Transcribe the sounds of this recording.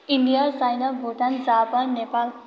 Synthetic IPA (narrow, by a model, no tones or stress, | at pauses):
iɳɖijarsajnabʱuʈand͡zapannːepal